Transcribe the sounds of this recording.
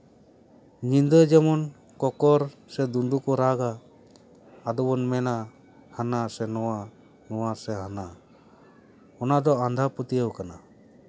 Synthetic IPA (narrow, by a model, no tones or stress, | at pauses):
ɲind̪əd͡ʒɛmɔn | kɔkɔɾsɛd̪unɖukɔɾaɡa | d̪ɔbɔnmɛna | hanasɛnɔwa | nɔwasɛɦana | ɔnad̪ɔand̪ʱapət̪ijəwkana